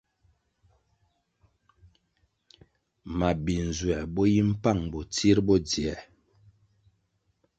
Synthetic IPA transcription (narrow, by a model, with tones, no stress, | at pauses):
ma˨bi˨n˨zwɛ˨bɔ˦ji˦m̩˦pa˦˨ŋbɔ˨ti˦ɾbɔ˦d͡zi˨ɛ˨